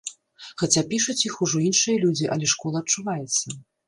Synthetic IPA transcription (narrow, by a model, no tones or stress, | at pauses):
xat͡sʲapʲiʂut͡sʲjixuʐɔinʂɨjɐlʲud͡zʲiʔɐlʲɛʂkɔlˠɐːtt͡ʂːuvajɛt̪sːɐ